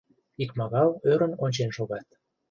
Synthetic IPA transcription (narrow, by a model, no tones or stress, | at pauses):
ikmɑɣɑløɾə̆nonʲt͡ɕenʃoɣɑt̪̚